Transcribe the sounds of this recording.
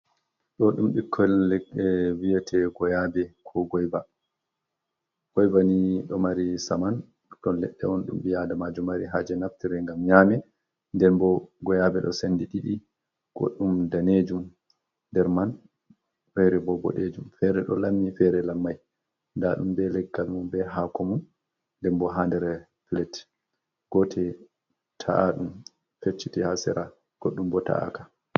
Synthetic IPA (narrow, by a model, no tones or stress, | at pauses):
ɗɔɗumɓikʰːɔllɛkɛwijatʰɛɡɔjabɛkʰɔɡɔjba | ɡ̥ɔjbaniɗɔmaɾisaman | tɔlɛɗːɛɔnɗumɓijadamad͡ʒumaɾiɦad͡ʒɛnaftiɾɛŋɡamɲamɛ | ndɛnbɔɡɔjabɛɗɔ̰sendiɗiɗi | ɡ̥o̰ɗːumdaned͡ʒum | ndɛɾman | fɛɾɛbɔbɔ̰ɗed͡ʒumfɛɾɛɗɔ̰lamːifɛɾɛlamːaj | ndaɗumbɛlɛɡːalmumbɛɦakɔmun | ndɛmbɔɦandɛɾɛ | flɛt | ɡ̥ɔtʰɛ | tʰa̰ʔaɗum | fet͡ʃːitihasɛ̰ɾʔa | ɡ̥oɗːumbɔta̰a̰ka